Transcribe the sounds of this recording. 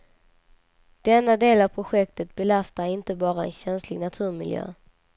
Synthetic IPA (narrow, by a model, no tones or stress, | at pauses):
d̪̥ɛnːad̪eːlavpʰɾʊɧɛk̚t̪ət̪̚bɛlast̪aɾɪnt̪əbɑːɾaɛ̰nɕɛnslɪɡnat̪ʰʉ̟ːɾmɪljø̰ː